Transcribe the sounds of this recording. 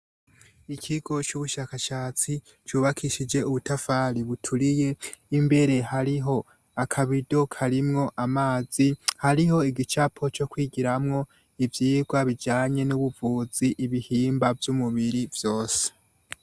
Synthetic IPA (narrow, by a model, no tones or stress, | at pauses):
ikʰiɡo̞t͡ʃuβuʃakaʃaːt͡si | t͡ʃuːβakʰiʃid͡ʒe̞uβutafaɾiβutʰuɾije̞imbe̞ɾe̞haɾiɦo̞ | akʰaβido̞kʰaɾimŋo̞ʔamaːz̥ihaɾiho̞iɡit͡ʃapʰo̞t͡ʃo̞kwiːɡiɾamŋo̞ | ivjiːɡwaβid͡ʒaːɲe̞nuβuvuːziʔiβihiːmbavjumuβiɾivjo̞ːse̥